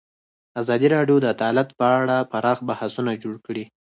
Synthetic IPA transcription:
azɑd̪iɾɑɖjod̪əd̪ɑlat̪pəaɽapaɾɑxbahasunad͡ʒoɽkɽi

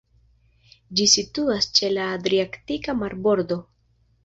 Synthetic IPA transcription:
d͡ʒisituast͡ʃe̞laːdɾiaktikamaɾbo̞ɾdo̞

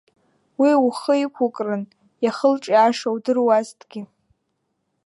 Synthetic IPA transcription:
wiuχəikʷʰʊkʼrɨn | jaχəlʈ͡ʂʼiaʂawdɨrwaztʼɡ̥ʲɪ

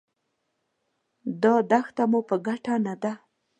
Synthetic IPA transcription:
d̪ɑd̪axt̪amupəɡaʈanad̪a

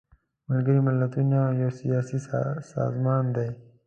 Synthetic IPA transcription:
məlɡəɾimɪlːɐt̪unãjosijaːsisa̰ːzmɑːnd̪ej

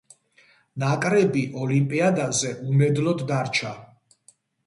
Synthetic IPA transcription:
nakʼɾɛbiʔɔlimpʼiad̪azɛʔumɛd̪lɔd̪ːaɾt͡ʃʰa

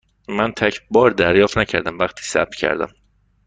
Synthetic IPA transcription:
mænt̪ʰæcʰbɒːɾd̪æɾjɒːft̪næcʰæɾd̪æmvæχt̪ʰi̥ːsæ̰b̪̚cʰæ̰ɾd̪æ̰m

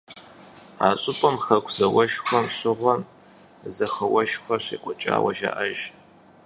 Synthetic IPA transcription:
aːɕʼʊpʼɔmxɐkʷʰz̥ɐwɐʃxʷɔmɕɪʁʷɐ | zɐxɐwɐʃxʷɔɕḛːkʷʼɔt͡ʃʼa̰ːwɐ̰ʒa̰ːʔɐʒ

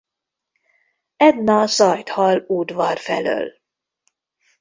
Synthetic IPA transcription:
ɛd̪nɒsɒjt̪hɒluːd̪vɒrfɛ̰lø̰ːl

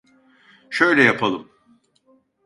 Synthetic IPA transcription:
ʃøjlʲɛjapʰalˠɯm

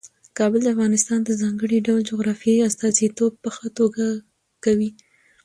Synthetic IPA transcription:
kɑbəld̪əafɣɑnɪst̪ɑnd̪əzɑŋɡəɽiɖawld͡ʒʊɣɾɑfjiast̪ɑzit̪ob̚pəxət̪oɡa | kawi

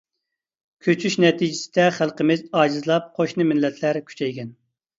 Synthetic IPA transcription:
kʲʰøt͡ʃʰyʃnɛt̪ʰid͡ʒɪsɪ̥d̪ɛχælˠqəmɪzɑːd͡ʒizlˠɑp̚qʰoʃnɨmɪlːɛt̪ʰlæɾkʲʰy̥t͡ʃʰɛjɡʲɛn

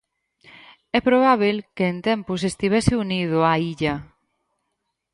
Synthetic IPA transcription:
ɛpɾoβ̞aβ̞ilkeːnt̪ɛmpʊsest̪iβɛsɪunið̞ʊaiʎɐ

